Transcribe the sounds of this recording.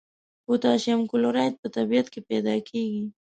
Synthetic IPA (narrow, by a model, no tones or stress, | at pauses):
kot̪ɑʃamkʊlʊɾɑjt̪̚pət̪abijat̪kepɛd̪ɑkʰeɡi